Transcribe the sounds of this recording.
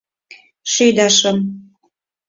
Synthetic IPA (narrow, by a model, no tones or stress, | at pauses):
ʃyjd̪ɑʃɤ̆m